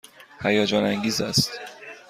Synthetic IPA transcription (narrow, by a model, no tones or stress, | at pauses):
hæjɒːd͡ʒɒːnæŋɡiːzæst̪